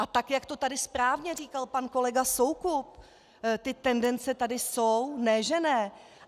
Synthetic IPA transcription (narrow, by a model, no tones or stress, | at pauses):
ʔat̪akjakt̪o̞t̪adɪspɾaːvɲɛriːkalpanko̞lɛɡaso̞wkup̚ | t̪ɪt̪ɛndɛnt͡sɛt̪adɪsownɛʒɛnɛː